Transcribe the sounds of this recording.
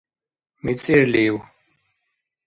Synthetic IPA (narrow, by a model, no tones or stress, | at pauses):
mit͡siɾliw